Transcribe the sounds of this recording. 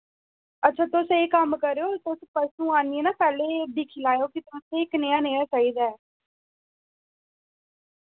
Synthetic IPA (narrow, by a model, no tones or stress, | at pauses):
ətːʃʰaːt̪ʊseːkəmkəɾeːoːt̪ʊspəsnũːaːnieːnãːpɛːleːbikʰilaːjoːkit̪ʊ̃ːsɪkneːaːneːaːt͡ʃaːiːd̪aːɛː